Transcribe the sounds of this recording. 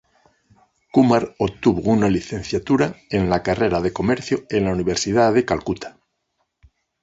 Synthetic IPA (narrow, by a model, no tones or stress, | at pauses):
kumaɾot̪uβounaliθẽ̞n̟θjat̪uɾae̞nlakareɾaðe̞ko̞meɾθjoe̞nlauniβ̞e̞ɾsiðaðekalkut̪ʰḁ